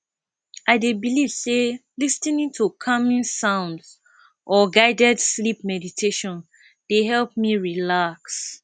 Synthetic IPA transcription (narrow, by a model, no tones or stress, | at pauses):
ʔaɪdebiliv̥selistĩnĩntʰukʰʌmĩnsãʊ̃nds | ʔɔɡaɪdɛdslip̚mɛditʰeʃɔ̃n | d̥eɦɛlp̚miɹilaks